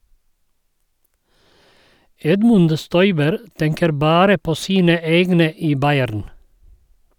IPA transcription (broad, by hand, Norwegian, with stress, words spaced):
ˈɛdmʉnd ˈstɔʏbəɾ ˈtɛŋkəɾ ˈbɑːɾə ˈpoː ˈsiːnə ˈeːɡnə ˈiː ˈbɑɪæɾn